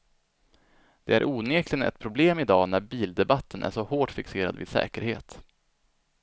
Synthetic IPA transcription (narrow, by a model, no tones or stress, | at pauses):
d̪̥ɛæ̰ɾʔuːneːklɪnɛ̰t̪̚pʰɾʊbleːmɪd̪ɑːnæɾbiːld̪ɛbat̪ʰːənʔæ̰ʂɔhoːʈfɪkseːɾa̰d̪vɪ̰d̪sɛ̰ːkəɾheːt̪